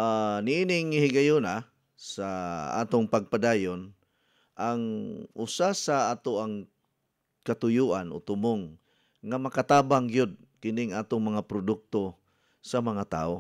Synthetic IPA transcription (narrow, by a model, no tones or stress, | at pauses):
ʔanɪʔinɪŋːɪhɪɡajʊna | saa̰ːt̪ʊŋpaɡ̚pad̪aːjʊn | ʔaŋʔʊsasaaːt̪oaŋ | kat̪ʊjuʔano̰t̪ʊmoŋː | amakat̪aːbaŋɡjʊd̪̚ | kɪnɪŋʔaːt̪ʊŋmɐŋapɾʊd̪ʊk̚t̪o | samaŋat̪a̰ːʔo